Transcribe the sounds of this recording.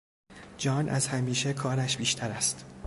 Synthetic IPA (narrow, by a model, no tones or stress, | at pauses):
d͡ʒɒːnʔæ̰zhæmiːʃekʰɒːɾæʃb̥iːʃt̪ʰæɾæst̪